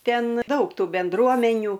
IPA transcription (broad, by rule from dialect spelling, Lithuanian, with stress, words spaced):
ˈtʲɛn ˈdɐʊk ˈtuː bʲɛnˈdruɔmʲɛnʲuː